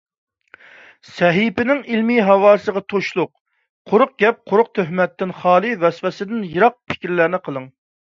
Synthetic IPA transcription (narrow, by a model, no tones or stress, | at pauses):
sɛɦipɪnɪŋilmiɦɑwɑːsəʁɑt̪ʰoʃlˠʊq | qʰʊɾʊq̚ɡʲɛp̚qʰʊɾʊq̚t̪ʰøɦmɛt̪ːɪnχɑːlˠɨvɛsfɛsɪd̪ɪnjɨɾɑq̚pʰɪ̥kʲɾlæɾnɪqʰəlˠɨŋ